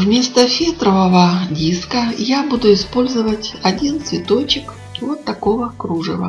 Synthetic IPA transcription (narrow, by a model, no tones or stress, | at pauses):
vmʲe̞st̪əfʲet̪ɾəvəvədʲiskəjabud̪ʊɪspo̞lʲzəvətʲɐdʲint̪svʲɪt̪o̞t͡ɕɪk | vot̪ːɐko̞vəkɾuʐɨvə̰